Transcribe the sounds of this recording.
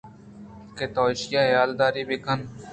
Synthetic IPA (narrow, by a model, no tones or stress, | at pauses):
ket̪oːɪʃɪjaːjaːld̪aːɾiːbikən